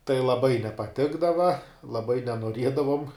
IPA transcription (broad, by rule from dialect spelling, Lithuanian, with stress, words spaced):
tɐɪ lˠɐˈbɐɪ nʲɛpɐˈtʲɪɡdɐʋɐ lˠɐˈbɐɪ nʲɛnuɔˈrʲiɛdɐʋoːm